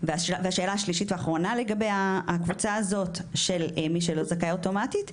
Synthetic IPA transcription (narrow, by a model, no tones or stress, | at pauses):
veaʃvehaʃe̞ːlaaʃliʃitveaχʁo̞nale̞ɡabejaːkvut͡saazo̞tʃelmiʃelozakaoto̞matit